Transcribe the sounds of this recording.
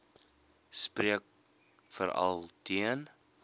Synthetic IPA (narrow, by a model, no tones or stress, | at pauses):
spriək̚ | fəɾɐ̰lˠtʰiən